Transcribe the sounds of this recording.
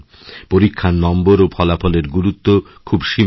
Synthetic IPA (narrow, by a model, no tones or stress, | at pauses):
poɾikʰːanːɔmboɾopʰɔlafʰɔleɾɡuɾut̪ːo | kʰubʃi